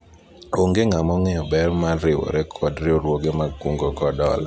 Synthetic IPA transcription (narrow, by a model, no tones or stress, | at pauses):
oŋɡeŋamɔŋɛɔbɛrmaɾɪwɔ̰ɾɛkʰɔdɾɪoɾwoɡemakuŋɡoɡɔdɔ̰la